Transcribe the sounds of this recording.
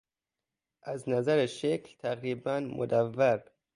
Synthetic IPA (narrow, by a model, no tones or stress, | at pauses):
aznazaɾeʃeklt̪ʰaɣɾiːbanmo̰d̪avːab